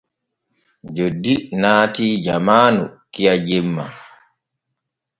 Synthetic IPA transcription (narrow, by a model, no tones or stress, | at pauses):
d͡ʒodːinaːtiːd͡ʒamaːnukijad͡ʒɛmːa̰